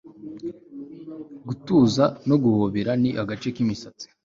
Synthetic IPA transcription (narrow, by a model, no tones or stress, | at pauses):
ɡutuːzano̞ɡuhoβiɾaniʔaɡat͡ʃe̞kimisat͡si̥